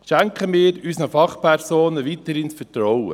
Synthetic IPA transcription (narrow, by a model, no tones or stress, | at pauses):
ʃæŋkχəmiːɾysnəfɑχpʰɛɾsoːnəʋit̪əɾhɪnsfətrɔwə̰